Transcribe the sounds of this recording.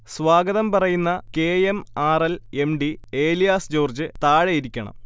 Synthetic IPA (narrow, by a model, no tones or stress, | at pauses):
sʋaːɡɐðɐmpɐrɐjunːɐke̞ːemaːrɐle̞mɖie̞ːlijaːsd͡ʑoːrd͡ʑɨt̪aːɻejiɾikʲːɐɳɐ̰m